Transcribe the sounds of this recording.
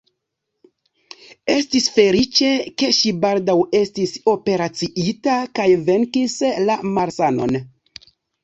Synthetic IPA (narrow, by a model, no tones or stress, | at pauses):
e̞stisfe̞lit͡ʃe̞ke̞ʃibaldawe̞stiso̞pe̞ɾat͡siʔitakajve̞ŋkislamaɾsano̞̰n